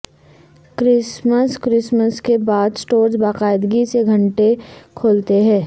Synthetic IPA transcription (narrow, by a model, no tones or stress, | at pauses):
kɾɪsməskɾɪsməskebaːd̪sʈoːɾzbaːqaːɪd̪ɡiseɡʱɐ̃ɳʈekʰoːlt̪eɦɛ̃ː